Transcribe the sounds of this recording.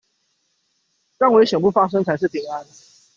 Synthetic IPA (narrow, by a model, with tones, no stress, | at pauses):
ʈ͡ʂa˥˨ŋwe˨˥ɪɕjɛ˨˩ŋpu˥˩fa˥ʂɤ˥ŋt͡sʰa˧˥ɪʂ̬ɻ̩˥˩pʰi˧˥ŋa˦n